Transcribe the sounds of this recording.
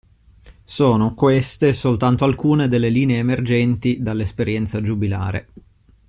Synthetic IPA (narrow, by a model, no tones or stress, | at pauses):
soːnokwest̪esolt̪ant̪oalkuːned̪elːeliːneeːmerd͡ʒɛnt̪id̪alːespeɾjɛnt̪sad͡ʒubila̰ːɾḛ